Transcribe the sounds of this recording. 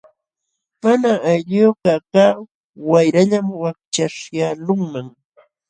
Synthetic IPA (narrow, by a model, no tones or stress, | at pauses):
manaajʎokakaː | wajɾaʎamwak̚t͡ʃaʂjalʊŋmaŋ